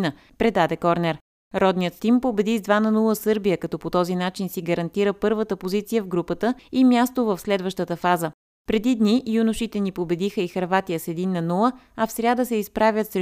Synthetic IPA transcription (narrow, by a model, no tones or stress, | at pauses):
nə | pɾɛd̪ad̪ɛkɔɾnɛɾ | ɾɔd̪nijət̪t̪impobɛd̪izd̪vanɐnulˠəsɤɾbijəkɐt̪ɔpot̪ɔzinat͡ʃinsiɡəɾɐnt̪iɾəpɤɾvət̪əpozit̪sijəvɡɾupət̪əimʲjast̪ovəfslɛd̪vəʃt̪ət̪əfazə | pɾɛd̪id̪nijunʊʃit̪ɛnipobɛd̪ixəixɐɾvat̪ijəsɛd̪inːɐnulˠə | ɐfsɾʲad̪əsɛispɾavʲjət̪sɾɛ